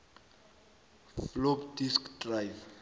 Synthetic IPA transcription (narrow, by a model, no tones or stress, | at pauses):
flopdiskʰdrajf